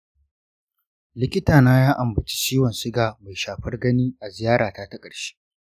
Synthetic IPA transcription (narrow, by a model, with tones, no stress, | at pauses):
lɪ˦kʲɪ˦taː˨naː˦jaː˦ʔa˨mbɐ˨t͡ʃi̥˦t͡ʃiː˦wɐ˨nsɪ˦ɡaː˨ma˨jʃaː˨ɸɐ˦rɡɐ˦niː˦ʔa˨zɪ˨jaː˦ɽaː˨taː˦ta˦kʼɐ˨ɽʃi̥˦